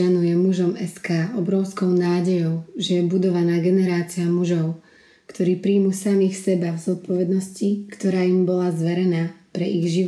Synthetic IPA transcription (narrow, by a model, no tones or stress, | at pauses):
anujɛmuʒɔmɛskaːɔbɾɔʊskɔʊnaːɟɛjɔʊʒɛjɛbud̪ɔʋanaːɡɛnɛɾaːt͡siamuʒɔʊ | kt̪ʰɔɾiːpɾiːmusamixsɛbavzɔt̪̚pɔʋɛd̪nɔscikt̪ɔɾaːimbɔlazʋɛɾɛnaːpɾɛʔiɣʒi